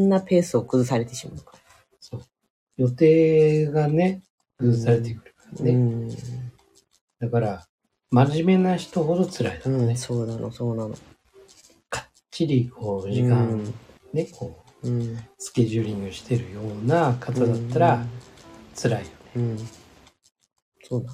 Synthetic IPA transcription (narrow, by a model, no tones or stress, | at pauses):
nːape̞ːsɨo̞kɯ̟zɨsaɾe̞t̪e̞ɕima̰ɯ̟ka | so̞ː | jo̞t̪e̞ːɡane̞ | kɯ̟zɨsaɾe̞t̪ekɯ̟ɾɯ̟kḁɾane | d̪̥akaɾa | maʑime̞naçi̥t̪o̞ho̞d̪o̞t͡sɨɾaid̪anesoːnano̰soːnano̰ | kʰḁ | iɾʲikʰo̞ːʑikãnne̞kʰo̞ː | sɨ̥kʲe̞ʑɨːɾʲĩŋɡɯ̟ɕi̥t̪e̞ɾɯ̟jo̞ːnakʰatɨd̪at̪ːaɾa | t͡sɨɾaijo̞ne̞ | soːd̪a